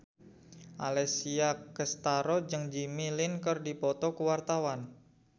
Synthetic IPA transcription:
ʔa̰lɛsiakəst̪aɾɔd͡ʒɨŋd͡ʒimilɪnkɨrdipɔt̪ɔkəwart̪awan

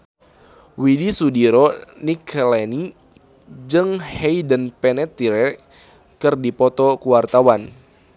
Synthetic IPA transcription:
widisudiɾɔniklɛni | d͡ʒɨŋhɛjdənpɛnɛt̪ːiɾɛ | kɨrdipɔt̪ɔkuwart̪awan

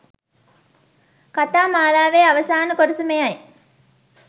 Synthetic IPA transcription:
kat̪aːmaːlaːʋeːaʋəsaːnəkoɖəsumejɐj

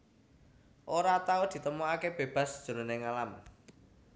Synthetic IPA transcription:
ʔoɾat̪aod̪̥i̤t̪əmoakeb̥e̤b̥a̤sd̥ʒ̥ṳɾoneŋalam

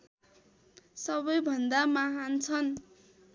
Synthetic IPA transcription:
sʌbʌjbʱʌnd̪amaɦant͡sʰʌn

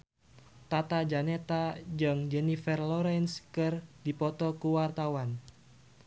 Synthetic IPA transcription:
t̪at̪ad͡ʒanet̪ad͡ʒɨŋd͡ʒɛnifɛrlɔɾɛnskɨrdipɔt̪ɔkuwart̪awan

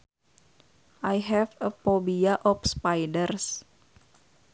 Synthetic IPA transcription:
ʔajɦɛfəfɔbiaʔɔfspajdərs

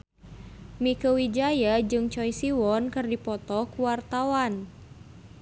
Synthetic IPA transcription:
mikəwid͡ʒajad͡ʒɨŋt͡ʃɔjsiwɔnkɨrdipɔt̪ɔkuwart̪awan

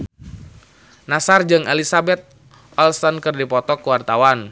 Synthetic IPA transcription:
nasard͡ʒɨŋelisabɛt̪̚ | ʔɔlsɔnkɨrdipɔt̪ɔkuwart̪awan

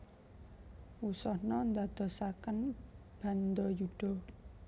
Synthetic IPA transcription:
usɔhnɔnd̪ad̪̥ɔ̤sakənb̥a̤nd̪ɔjuɖ̪̥ɔ̤

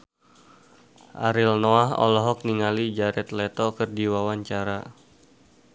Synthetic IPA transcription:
ʔa̰ɾilnoaɦɔ̰lɔɦɔk̚niŋalid͡ʒaɾɛt̪lɛt̪ɔkɨrdiwawaɲt͡ʃaɾa

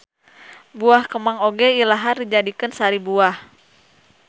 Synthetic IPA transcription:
buahkəmaŋoɡɛilaɦardid͡ʒadikɨnsaɾibuah

